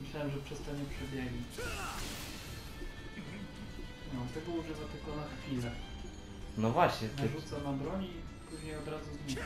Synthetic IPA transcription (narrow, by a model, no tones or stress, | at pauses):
mɘɕlawɛmʐɛpʂɛst̪aɲɛpʂɛbʲjɛɡɲit͡ɕ | nɔt̪ɛbɔwɔʐɛzat̪ɪkɔnaxfʲilɛ | nɔvwaɕɲɛnʐut̪sanabɾɔɲi | puʑɲɛjɔd̪ɾazuzmʲɛ